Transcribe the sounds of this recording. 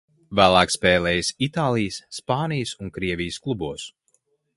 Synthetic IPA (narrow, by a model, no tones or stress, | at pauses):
væːlˠaːkspɛːlɛːjsit̪aːlˠijəsːpaːnijsuŋkɾiɛvʲijəsklˠubuɔs